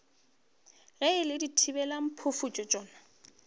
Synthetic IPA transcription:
ɣɛɪlɪditʰibɛlam̩pʰʊfut͡ʃʼɔt͡ʃʼɔːna

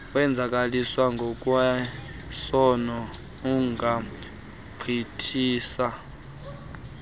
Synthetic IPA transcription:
wɛnd͡zʱakʼaliswaŋɡʱɔkʼuwa | sɔnɔ | uŋɡʱa | pʰitʰiːsa

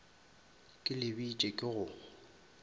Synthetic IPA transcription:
kʼɪlɪbit͡ʃʼɛkʼɪɣʊ

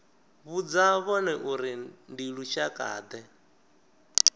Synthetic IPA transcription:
βud͡zaβɔnɛʔuɾindiɺuʃakʼa̰ːd̪ɛ

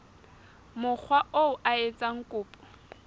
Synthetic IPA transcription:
mʊk͡xʰwaʔoʊʔaet͡sʼaŋ̩kʼʊːpʼɔ̥

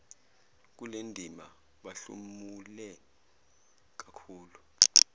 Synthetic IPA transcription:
k̬ulendʱima | ɓaɬṵmulɛ | k̬akʰuːlu

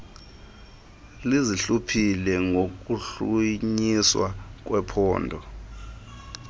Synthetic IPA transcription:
liziɬupʰilɛŋok̬uɬuɲiswa̰k̬wɛpʰɔːndʱɔ

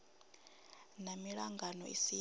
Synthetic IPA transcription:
namiɺaŋɡanɔ̰isi

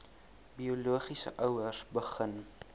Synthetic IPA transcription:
bioluəχisə̰ʔœwərsbəχən

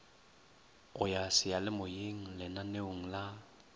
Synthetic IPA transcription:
ɣʊjasɪjalɪmʊjeŋ̩lɪnaneʊŋ̩la

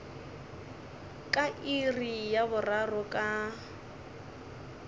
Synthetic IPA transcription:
kʼaʔirijabʊrarɔkʼa

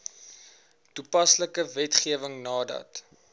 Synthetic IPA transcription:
tupɐsləkəvɛtχiəvəŋnɑːdɐ̰t

